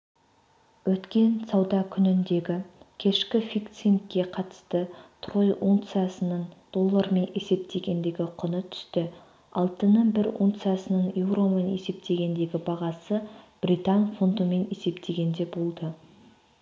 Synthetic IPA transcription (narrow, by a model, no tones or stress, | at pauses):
wɵt̪kʲe̞nsɑwd̪ɑkʲʰʏnɪnd̪e̞ɡʲɪkʲʰe̞ʃkʲɪfijkt̪sin̚kʲːe̞qʰɑt̪ə̥st̪ət̪ʰro̞jʔunt̪sɨjasənəɴd̪̥o̞lˠːəɾme̞ne̞se̞p̚t̪ʰe̞ɡʲe̞nd̪eɡʲɪqʰʊnət̪ʰʏ̥st̪ɪ | ɑlˠt̪ənəbɪɾṵnt̪sɨjasənəɴjewɾo̞me̞ne̞se̞p̚t̪ʰe̞ɡʲe̞nd̪e̞ɡʲɪbɑʁɑsəb̥rijt̪ɑnfont̪əme̞ne̞se̞pt̪ʰe̞ɡʲe̞nd̪e̞bo̞lˠd̪ə